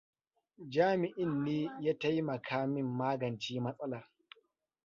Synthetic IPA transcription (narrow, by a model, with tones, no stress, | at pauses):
d͡ʒaː˦mɪ˨ʔɪ˦nːiː˦ja˦ta˦ji˦mɐ˨kʰaː˦mɪ˦mːaː˦ɡɐ˨nt͡ʃiː˦mɐ˦sʼɐ˦laː˨